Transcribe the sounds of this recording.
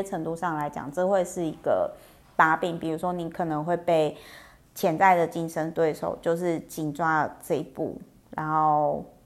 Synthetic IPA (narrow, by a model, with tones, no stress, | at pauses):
ɛ˥ʈ͡ʂʰə˧˥ŋt̪u˥˧ʂɑ˥˩ŋla˧˥ɪt͡ɕjɑ̰˨˩ŋʈ͡ʂɤ˥˧xwe˥˧ɪʂɻ̩˥˩i˧˦ɡ̥ə̰˧˩ | pa˧˥pi˨˩ŋpi˨˩ɻu˧˥ʂwɔ˥ni˧˦˥kʰɤ˨˩nə˧˦ŋxwe˥˧ɪpe˥˩ɪ | t͡ɕʰjɛ˧˥nt͡sa˥˩ɪd̪ə˩t͡ɕi˥nʂə˥nt̪we˥˩ɪʂo̰˨˩ʊt͡ɕjo˥˧ʊʂ̬ɻ̩˥˧t͡ɕi˨˩nʈ͡ʂwa˥˧ʈ͡ʂɤ˥˧i˧˥pṵ˥˩ | ɻa˧˦nxo˥˩ʊ